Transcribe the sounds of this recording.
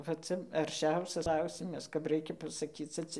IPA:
ʋɐ ˈt͡sɐ ɐrʲˈʃʲɛʊsʲɛs ˈklˠɐʊsʲɪmɐs kɐp ˈrɐɪkʲɛ pɐsɐˈkʲiːt͡sʲɛ ˈt͡sʲɛ

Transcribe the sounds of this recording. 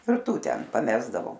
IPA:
ɪr ˈtuː ˈtʲɛn pɐˈmʲæːzdɐʋoː

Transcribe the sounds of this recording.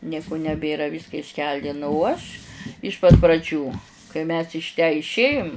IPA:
ˈnʲiɛkʊ nʲɛˈbʲeːrɐ ˈʋʲiːskɐ ɪʃʲˈkʲɛlʲdʲɪnʊ ʊ ˈɐʃ ɪʃ pɐt prɐˈd͡ʒʲuː kɐɪ mʲɛs ɪʃ tʲæː ɪʃʲˈeːjʊm

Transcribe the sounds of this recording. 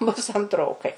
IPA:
bʊs ɐntˈroːkɐɪ

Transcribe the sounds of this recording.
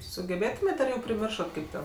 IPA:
sʊɡʲɛˈbʲeːtʊmʲeːtʲ ɐr ˈjɛʊ pʲrʲɪˈmʲɪrʃɐt ˈkɐɪp tʲɛn

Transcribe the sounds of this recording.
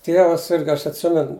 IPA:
ˈtʲiɛʋɐs ˈsʲɪrɡɐ ˈɐʃ ɐtʲˈsʲɪmʲɛn

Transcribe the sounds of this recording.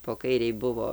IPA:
poː ˈkɐɪrʲɛɪ ˈbʊʋoː

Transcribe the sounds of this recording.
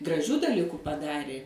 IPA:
ɡrɐˈʒʲuː dɐˈlʲɪkʊ pɐˈdɑːrʲeː

